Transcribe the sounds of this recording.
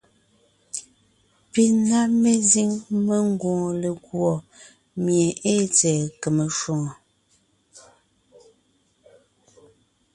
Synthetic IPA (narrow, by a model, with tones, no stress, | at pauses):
pi˨na˦me˦zi˦ŋme˦ŋ˦ɡɔ̃ː˨le˨ɡwɔ˨ | mje˨ʔe˦t͡sɛː˨kə˨me˨ʃwo˨ŋo˨